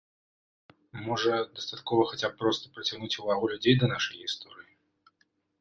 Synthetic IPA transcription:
mɔʐɐd̪ɐst̪at̪kɔvɐxat͡sʲapːɾɔst̪ɐ̥pɾɐt͡sʲaɣnut͡sʲuvaɣulʲud͡zʲejd̪ɐnaʂɐjist̪ɔɾɨji

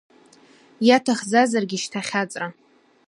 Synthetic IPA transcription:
jatʰaχd͡zazarɡʲiʃtʰaχʲat͡sʼra

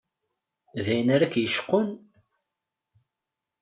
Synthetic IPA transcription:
ðæjənaɾækjəʃqːʊn

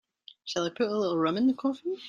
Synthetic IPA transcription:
ʃəlˠaɪpʰʊɾəlɪɾl̩ˠɹʌ̃mɨ̃nðəkʰɔfə

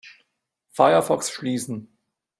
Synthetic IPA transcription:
faɪɐfɔksʃliːsn̩

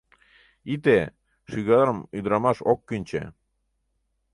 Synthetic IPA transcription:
it̪e | ʃyɣɑɾəmyd̪ɾɑmɑʃokːynʲt͡ɕḛ

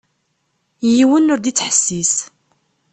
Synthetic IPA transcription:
jiwənːʊɾd̪it͡sːħə̥sːis

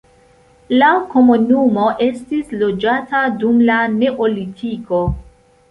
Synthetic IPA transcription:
lako̞munumo̞ʔe̞stislo̞d͡ʒatadumlane̞ʔo̞litʰiko̞

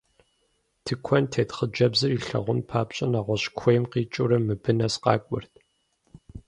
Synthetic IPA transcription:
tʰɨkʷʰɔntʰeːtχəd͡ʒɐbzɨriːɬɐ̰ʁʷʊnpʰaːpɕʼɐnaːʁʷɔɕkʷʰɔjmqiːt͡ʃʼʊɾɐmːɨbɨnɐsqɑ̰ːkʷʼʊrt̚ʰ

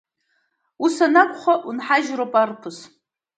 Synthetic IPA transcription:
usanakʷʼχʷaʔunħaʒropʼarpʰɨs

